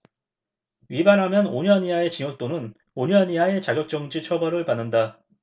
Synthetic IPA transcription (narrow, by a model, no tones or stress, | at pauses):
ɥibaɾɦamjʌnoɲʌniɦae̞t͡ɕiŋoɭ̚t͈onɯn | oɲʌniɦae̞t͡ɕaɡjʌk̚t͡ɕ͈ʌŋd͡ʑit͡ɕʰʌbʌɾɯɭpanːɯnda